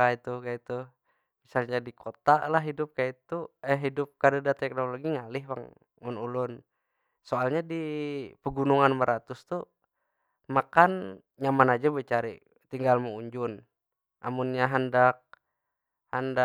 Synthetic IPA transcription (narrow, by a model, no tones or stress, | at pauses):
ait̪ukait̪u | misalɲadikʰot̪alaɦidʊp̚kajit̪uəɦidʊp̚kadədat̪ɛk̚noloɡiŋalɪɦwaŋ | uunulʊn | soalɲadipəɡunuŋanməɾat̪ʊst̪u | makan | ɲamanad͡ʒabət͡ʃaɾḭ | t̪iŋɡalmauɲd͡ʒun | ʔa̰munɲaɦandak̚ | handa